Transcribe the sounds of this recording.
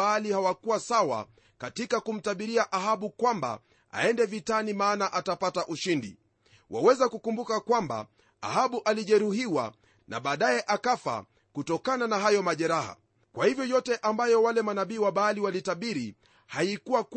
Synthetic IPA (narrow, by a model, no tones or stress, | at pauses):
alihawakuwasawa̰ | katikakum̩taɓiɾiaʔaɦaɓukwamba̰ | a̰ɛndɛvitanimaːnaʔatapataʔuʃindḭ | wa̰wɛzakukumbukakwamba̰ | a̰haɓuʔaliʄɛɾuhiwa̰ | na̰ɓaːɗajɛʔakafa̰ | kutɔkananaɦajɔmaʄɛɾaha̰ | kwahivjɔjɔtɛʔambajɔwalɛmanaɓiːwaɓaːliwalitaɓiɾi | haikuwak